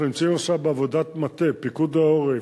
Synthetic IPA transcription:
limt͡sioʃabeavod̪at̪mat̪epikud̪aoʁe

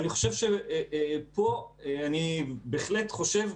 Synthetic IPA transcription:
niχo̞ʃevʃe | po̞anibeχletχo̞ʃev

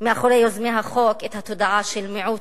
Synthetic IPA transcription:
meʔaχoɾejozmeɦaχoket̪hat̪od̪aʕaʃelmeʕu

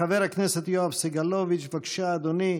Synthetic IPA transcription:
ɐʋeɾɐkʰnesɐt̪ijoɐpsiɡɐloːʋit͡ʃbɐkʃaːd̪uni

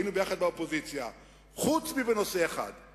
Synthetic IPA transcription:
inubejaχad̪̚baopozit͡sja | χut͡smiveno̞seːχa̰d̪

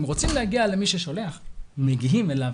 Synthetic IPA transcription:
mʁot͡simlehaɡiale̞miʃeʃo̞leaχmeɡiɦimelav

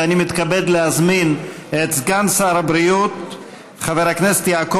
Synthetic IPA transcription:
animit̪kabed̪lehazmin | et̪zɡansaːɾabɾijut̪̚ | χaveʁhaknese̥t̪jaːko

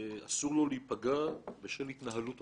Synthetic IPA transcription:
easuʁlo̞leipaɡabeʃelhit̪naɦalut

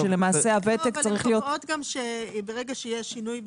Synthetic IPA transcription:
ʃele̞maːseavet̪ekt͡saʁiχlijo̞tod̪ɡamʃebeʁeɡaʃejeʃinujb

